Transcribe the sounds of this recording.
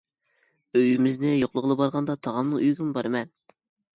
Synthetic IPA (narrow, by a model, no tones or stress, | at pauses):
øjymɪznɪjoqlˠʊʁlˠbɑɾʁɑnd̪ɑt̪ʰɑʁɑmnɨŋyjɡʲinɪbɑɾmɛn